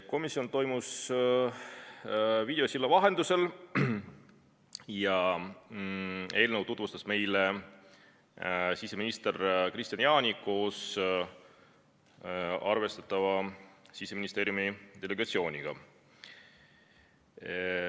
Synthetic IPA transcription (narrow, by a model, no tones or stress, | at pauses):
ko̞misiont̪o̞jmus | vid̪e̞osilːɑvɑɦe̞nd̪̥use̞l | jɑ | e̞ːlnəwt̪ut̪vust̪ɑsme̞jle | sise̞minist̪erkrist̪ʲjɑnjɑːnʲiko̞ːs | ɑrve̞st̪ɑt̪ːˑɑvɑsiseminist̪e̞ːɾjumid̪̥e̞le̞ɡ̥ɑt̪sio̞ːnʲiɡ̥ɑ̰